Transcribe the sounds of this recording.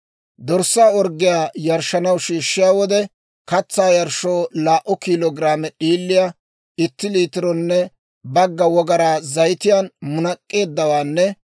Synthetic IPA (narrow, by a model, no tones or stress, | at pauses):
d̪ɔɾsːaːɔɾɡːɪjaːjɐɾʃɐnɐwʃiːʃːɪjaːwɔd̪ɛ | kɐt͡sːaːjɐɾʃo̞ːlaːʔɔkiloːɡɪɾaːmɛɗiːlːɪja | ɪt̪ːɪliːt̪ɪɾɔnːɛ | bɐɡːɐwɔɡɐɾaːzɐjt̪ɪjaːnmʊnɐkʼːe̞ːd̪ːɐwaːnːɛ